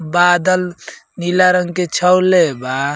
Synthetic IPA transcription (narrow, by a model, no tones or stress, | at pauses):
bad̪əlnilaɾəŋɡket͡ʃʰəwleba